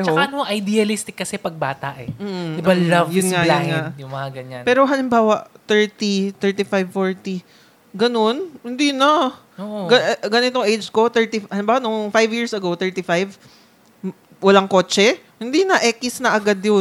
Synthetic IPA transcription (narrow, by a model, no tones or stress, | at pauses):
t͡ʃɦɐoaɐnoŋʔɐjd̪iɐlɪst̪ɪkːɐsɛpɐɡ̚baːt̪ɐʔɛm̩ːʔm̩d̪ɪbalɐvjʊnŋajlaʊnŋaʔjʊmɐŋɐɡɐɲa̰npɛːɾo̞ɦalɪmbaːwɐʔt̪ɛɹt̪it̪ɛɹt̪ifajvfoɹt̪i | ɡɐno̞nhɪnd̪inɐ | oʔɡɐɡɐnɪt̪oŋʔejd͡ʒko̞t̪ɛɹt̪ihɐlɪmbaːwanoŋfajvjiːɹsʔɐɡot̪ɛɹt̪ifajv | wɐlaŋko̞ːt͡ʃɛ | hɪnd̪inɐʔɛkɪsnɐʔɐɡad̪jo